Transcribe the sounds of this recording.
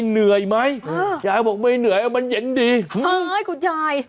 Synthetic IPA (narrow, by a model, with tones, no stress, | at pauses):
jnɨ˨˩əjma˨˧˦jt͡ɕaː˨˩jmo˨˩t̚me˧jnɨ˨˩əjʔa˧˦mɓa˧˦nzə̰˧˨˦ŋɗi˧˩ə˧˩jku˧˦t͡ɕaː˧˩j